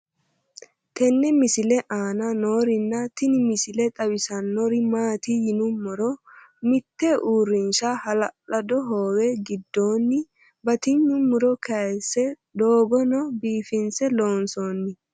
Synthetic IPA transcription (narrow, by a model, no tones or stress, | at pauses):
t̪ɛnːɛmɪsɪlɛʔaːnɐnoːɾɪnːɐt̪ɪnɪmɪsɪlɛt̪ʼɐwɪsɐnːɔɾɪmaːt̪ɪjɪnʊmːʊɾɔ | mɪt̪ːɛʔuːɾːɪnʃɐhɐlɐlɐd̪ɔɦoːwɛɡɪd̪ːoːnːɪ | bɐt̪ɪɲːʊmːʊɾɔkʰɐjsːɛ | d̪oːɡɔnɔbiːfɪnsɛlo̞ːnsoːnːɪ